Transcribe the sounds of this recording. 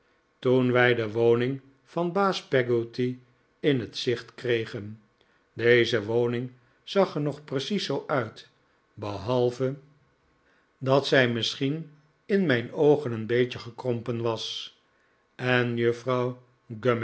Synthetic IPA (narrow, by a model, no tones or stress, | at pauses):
tunʋɛjdəʋownɪŋ | fɑnbaːspɛɡoti | ɪnɦətsɪχtkrejχən | dejzəʋownɪŋ | z̥ɑχəɹnɔχprəsisowʔœɥt | bəɦɑlˠvə | dɑtsɛjmɪsχin | ɪnmɛjnowχənənbejcəχəkrɔmpənʋɑs | ɛnjøfrɑw | ɡøm